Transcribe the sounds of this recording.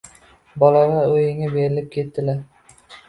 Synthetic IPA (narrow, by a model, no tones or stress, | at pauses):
bɒlaʁaɵjɪŋabeɾɪlɪp̚kʲʰe̞t̪ːɪlaɾ